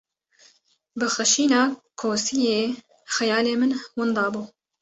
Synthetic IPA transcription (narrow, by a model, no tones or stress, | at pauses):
bɨxɨʃiːnɑːkʰoːsijeː | xɛjɑːleːmɨnwʊnd̪ɑːbuː